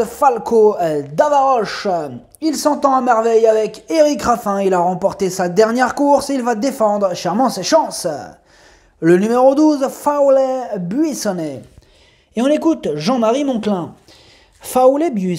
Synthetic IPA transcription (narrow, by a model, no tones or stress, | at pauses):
falkʰod̪avaʁɔʃ | ilsɑ̃t̪ɑ̃amɛʁvɛjavɛkeʁikʁafɛ̃ilaʁɑ̃pɔʁt̪esad̪ɛʁnjɛʁkuʁseilvad̪efɑ̃d̪ʁʃɛʁmɑ̃seʃɑ̃s | lənymeʁod̪uzfawlɛbɥisɔnɛ | eɔ̃lekut̪ʒɑ̃maʁimɔ̃klɛ̃ | fawlɛbi